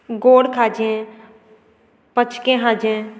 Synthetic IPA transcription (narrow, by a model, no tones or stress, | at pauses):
ɡoːɽkʰaːd͡ʒẽ | pət͡ʃʰkẽɦãːd͡ʒẽ